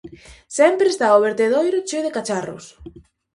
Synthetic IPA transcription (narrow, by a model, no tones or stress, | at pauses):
sɛmpɾest̪aoβ̞eɾt̪eðojɾʊt͡ʃeðekat͡ʃarʊ̰s